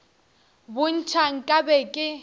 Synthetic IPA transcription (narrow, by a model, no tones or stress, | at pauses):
bʊn̩t͡ʃʰaŋ̩kʼabɛkʼɪ